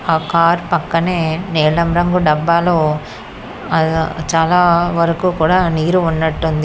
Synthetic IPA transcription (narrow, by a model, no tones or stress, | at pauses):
aːkaːɾpɐkːɐneːneːɭɐmɾɐŋɡuɖɐbːaːloː | ɐt͡ʃaːlaːʋɐɾɐkuːkuːɽaːniːɾuunːɐʈːund̪i